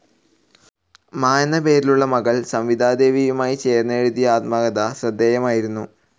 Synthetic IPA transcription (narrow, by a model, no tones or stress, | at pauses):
maːnɐpe̞ːɾiluɭːɐmɐɣɐɭsɐmʋid̪ʱaːd̪e̞ːʋijumaːjit͡ɕe̞ːrnːɐeɻud̪ijɐaːt̪̚maːɡɐðɐɕrɐd̪ːeːjɐmaːjiɾunːu